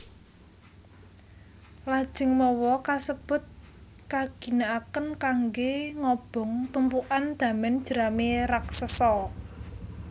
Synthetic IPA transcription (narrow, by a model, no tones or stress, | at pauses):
lad̥ʒ̥ɪ̤ŋmɔwɔkasəb̥ʊ̤t̪̚ | kaɡ̥i̤naakənkaŋɡeŋɔb̥ɔ̤ŋt̪umpuʔand̪̥ä̤mɛnd̥ʒ̥əɾameraksəsɔ